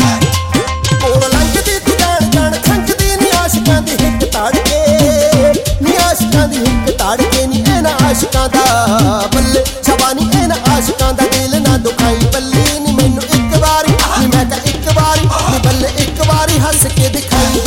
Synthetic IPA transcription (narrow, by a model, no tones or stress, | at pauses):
koːɾləŋkʰd̪iːt̪ːd͡ʒaːɳd͡ʒaːɳʰə̃ŋkʰd̪iːniːaːʃkãːd̪iːɦɪkt̪aːɽkeː | nĩːaːʃkãːd̪iːɦɪkt̪aːɽkeːnĩːeːnãːaːʃkãːd̪aːbəlːeː | səbaːnĩːʔeːnãʔaːʃkãːd̪aːʔeːlnãːd̪ʊkʰaːiːbəlːeːniːmeːnũːʔɪkbaːɾiːnimɛ̃ːt̪ãːʔɪkbaːɾinibəlːeːʔɪkbaːɾiːɦəskeːd̪ɪkʰaːiː